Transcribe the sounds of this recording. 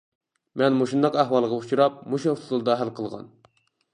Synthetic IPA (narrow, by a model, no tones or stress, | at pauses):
mɛnmoʃund̪ɑqæhwɑlˠʁɑut͡ʃuɾɑp̚muʃit̪ʰuzulˠd̪ɑɦælqʰəlˠʁɑ̰n